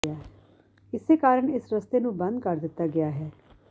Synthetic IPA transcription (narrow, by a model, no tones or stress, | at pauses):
aː | ɪsekaːɾəɳɪsɾəst̪enũːbɐ̃nd̪kɐɾd̪ɪt̪ːaɡɪjaːɦɛː